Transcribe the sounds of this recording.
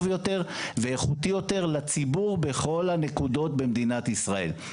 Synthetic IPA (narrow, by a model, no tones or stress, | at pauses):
vjo̞t̪e̞ʁveːχut̪ijo̞te̞ʁlat͡sibuʁbe̞χo̞lhanekud̪o̞t̚be̞md̪inat̪isʁae̞̰l